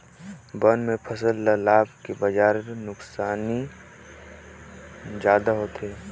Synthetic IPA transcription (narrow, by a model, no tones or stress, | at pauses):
bənmẽpʰɐsəlːalaːbkebɐd͡ʒaːɾnʊksaːni | d͡ʒjaːd̪aɦoːt̪eː